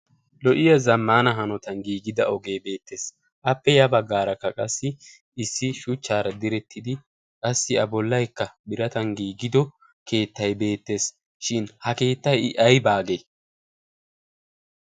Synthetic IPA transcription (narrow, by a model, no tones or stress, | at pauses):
lɔʔɪjɐzɐmːaːnɐɦɐnɔt̪ɐnɡiːɡɪd̪ɐ̰ɔɡe̞ːbe̞ːt̪ʰːe̞ːs | ʔɐpːɛjɐbɐɡːaːɾɐkːɐkʼɐsːɪː | sːɪʃʊt͡ʃːaːɾɐd̪ɪɾɛt̪ʰːɪd̪ɪ | kʼɐsːɪɐbɔlːɐjkːɐbɪɾɐt̪ɐŋɡiːɡɪd̪ɔ | ke̞ːt̪ːɐjbe̞ːt̪ːe̞ːs | ʃɪnhɐke̞ːt̪ːɐjɪʔɐjbaːɡe